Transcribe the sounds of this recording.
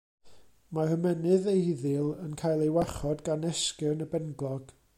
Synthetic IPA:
marəmɛnɨðeɪðɨlˠənkʰaːjlˠejwaχɔdɡanɛskɪrnəbɛnɡlˠɔɡ̥

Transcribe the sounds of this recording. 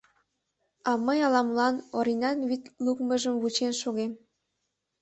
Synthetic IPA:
ɑməjɑlɑmlɑnoɾinɑnβit̪lukmə̆ʒəmβut͡ɕenʃoɣem

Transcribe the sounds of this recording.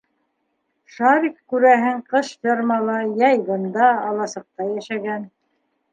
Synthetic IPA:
ʃɑɾikkʉɾæɦɘŋqɤʃjɑɾmɑlˠɑjæjbɤ̆nd̪ɑːlˠɑsɤ̆q̚t̪ɑjæʃæɡæn

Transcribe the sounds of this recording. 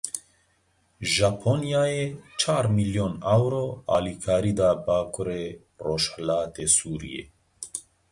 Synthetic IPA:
ʒapʰonijaːjet͡ʃʰaːɾmiljonawɾoa̰ːlikʰaːɾid̪aːbaːkʰoɾe | roʃhalaːt̪esuːɾḭjḛ

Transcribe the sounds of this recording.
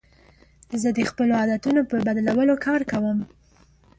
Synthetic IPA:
zəd̪əxpəloɑd̪at̪unopəbad̪lawəlokʰɑɾkawəm

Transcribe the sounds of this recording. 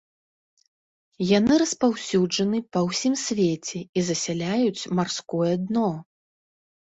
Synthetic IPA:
jan̪ɨɾɐspawsʲud͡ʐɐnɨpɐwsʲimsʲvʲet͡sʲɛizɐsʲalʲajut͡sʲmarskɔjɛd̪nɔ

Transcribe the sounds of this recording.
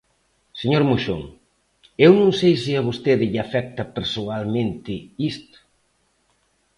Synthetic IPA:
seɲoɾmoʃo̰ŋ | ewnõŋsejsɪaβ̞ost̪eðɪʎafɛk̚t̪ɐpeɾsoalmẽnt̪ɪist̪

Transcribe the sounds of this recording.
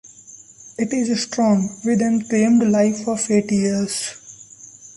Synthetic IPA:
ɪʈɪzsʈɾɔ̃ːŋʋɪd̪ɛ̃nkẽːmɖlaɪfɔfeːʈjiəɾz

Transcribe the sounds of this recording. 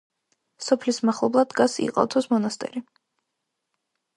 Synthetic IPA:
sɔpʰlismaχlˠɔblˠad̪ɡasḭqʼɔ̰t̪ʰɔsmɔnast̪ʼɛ̰ɾi

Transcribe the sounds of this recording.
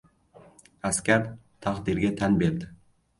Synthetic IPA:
askʲaɾ | t̪ʰaqd̪ɪɾɡʲat̪ʰanbeɾd̪ɪ

